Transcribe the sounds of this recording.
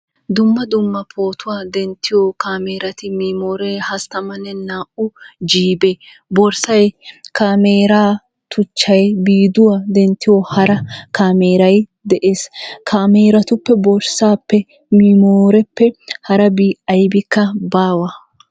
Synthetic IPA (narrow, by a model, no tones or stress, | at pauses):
d̪ʊmːɐd̪ʊmːɐpʰoːt̪ʰʊwaːd̪ɛnt̪ʰːɪjokaːmeːɾɐt̪ɪmiːmoːɾeːhɐst̪ɐmɐnːɛnaːʔʊd͡ʒiːbe | bɔɾsɐjkaːmeːɾaː | t̪ʊt͡ʃːɐjbiːd̪ʊwad̪ɛnt̪ːɪjohɐɾɐkaːmeːɾɐjd̪ɛʔe̞ːskʰaːmeːɾɐt̪ʊpːɛbɔɾsaːpːɛ | miːmoːɾɛpːɛhɐɾɐbiːʔɐjbɪkːɐbaːwɐ